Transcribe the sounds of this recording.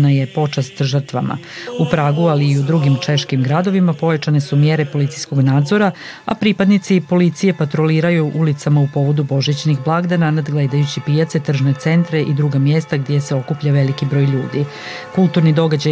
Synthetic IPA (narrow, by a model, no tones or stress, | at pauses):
naje̞po̞t͡ʂast̪ʒr̩t̪ʋa̰mʔa̰upɾaːɡualiːud̪ɾuɡimt͡ʃeʃkimɡɾad̪o̞ʋimapo̞jat͡ʃane̞sumjeɾepo̞lit̪isko̞ɡnaːd̪zo̞ɾa | apɾipad̪nit̪sipo̞lit̪sije̞pat̪ɾo̞liːɾajuʔulit̪samaupo̞ʋo̞d̪ubo̞ʒit͡ɕnixblˠaɡd̪ananad̪ɡlˠed̪ajut͡ɕipijat̪se̞t̪r̩ʒnet̪se̞nt̪ɾeʔid̪ɾuɡamjest̪aɡd̪ʲjeseo̞kupʎaʋe̞likibɾo̞ːjʎuːd̪i | kulˠt̪uɾnid̪o̞ɡad͡ʑa